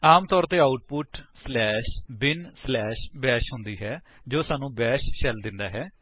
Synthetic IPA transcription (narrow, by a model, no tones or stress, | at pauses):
aːmt̪ɔːɾt̪eːaːʊʈ̚pʊʈslɛːʃbɪnslɛːʃbɛːʃɦʊ̃nd̪iːɦɛː | d͡ʒoːsaːnũːbɛːʃʃɛld̪ɪnd̪aːɦɛː